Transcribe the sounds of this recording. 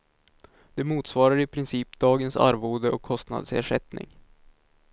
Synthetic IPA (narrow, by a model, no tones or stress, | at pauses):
d̪̥ɛmuːt̪svɑːɾaɾɪpʰɾɪnsiːpd̪ɑːɡənsa̰ɾvoːd̪əʔɔkʰːɔst̪na̰d̪sḛːʂɛt̪nɪ̰ŋ